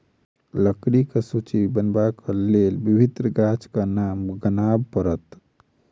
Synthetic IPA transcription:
ləkɾikesut͡ʃibənbakəlelbibʱit̪ɾəɡat͡ʃkənamɡənabpəɾət̪

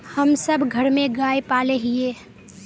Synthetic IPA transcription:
həmsəbɡʱəɾmẽɡaːepaːleɦɪeː

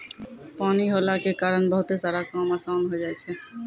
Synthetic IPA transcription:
paniɦolakekaɾənbəɦut̪esaɾakamasaʊnɦod͡ʒajt͡ʃʰɛ

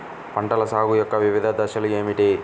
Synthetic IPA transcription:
pɐɳʈɐlɐsaːɡujɔkːɐʋiʋid̪ʱɐd̪ɐʃɐlueːmiʈe

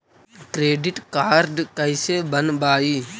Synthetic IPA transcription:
kɾeːɖɪʈkaːɾɖkəɪseːbənbaːiː

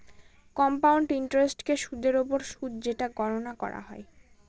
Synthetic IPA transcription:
kɔmpawɳɖiɳʈɾesʈkeʃud̪ʱeɾopoɾʃud̪d͡ʑeʈaɡɔɾonakɔ̰ɾa̰ɦɔ̰e

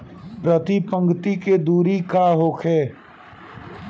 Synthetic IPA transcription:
pɾət̪ipə̃ŋɡt̪iked̪uːɾikaːɦoːkʰɛː

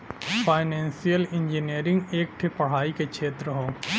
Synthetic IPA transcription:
fʰaːɪnɛ̃ːnsijəlɪ̃ɲd͡ʒiniːɾɪ̃ŋɡeːk̚ʈʰepɐɽ̤aːikekt͡ʃʰeːt̪ɾəɦoː

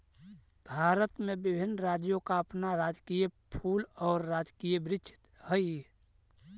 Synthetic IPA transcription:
bʱaːɾət̪mebɪbʱɪnːɾad͡ʒjokaəpnaɾad͡ʒkijəpʰuːlɔːɾːad͡ʒkijəbɾɪt͡ʃʰɪ̥t̪həj

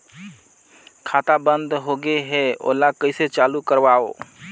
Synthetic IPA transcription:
kʰat̪abə̃nd̪ɦoɡeɦeo̰ːlakəɪset͡ʃaːlukəɾʋao

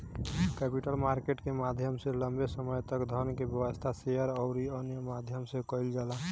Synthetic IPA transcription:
kepiʈəlmaɾkeʈkemad̪ʱjəmsẽləmbesəməjt̪əkd̪ʱənkebjəwəst̪ʰasejəɾɔʊɾiənjəmad̪ʱjəmsẽkəjld͡ʒala

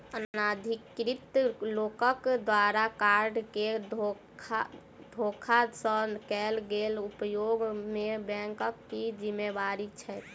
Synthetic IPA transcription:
ənnad̪ʱikːɾit̪lokəkd̪waɾakaɾɖkeo | kʰa | d̪ʱokʰasə̃kɛlɡelupjoɡmebɛ̃ŋkəkːid͡ʒimːebaɾit͡ʃʰɛt̪

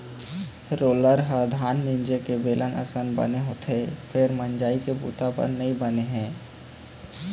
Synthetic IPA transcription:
pʰɪɾːoːləɾɦəd̪ʱaːnmĩɲd͡ʒekebeːlʔənʔə̰sənbɐ̰neɦoːt̪ʰefʰɪɾmə̃nd͡ʒaːikebṵːt̪apə̰ɾnɐĩbəneɦɛ̃ː

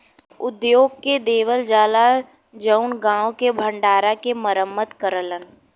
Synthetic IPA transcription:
ʊd̪joːɡ̚ked̪eːʋəld͡ʒaːla | d͡ʒəʊnɡãːõkebʱə̃ɳɖaːɾakeməɾəmːət̪kəɾələn

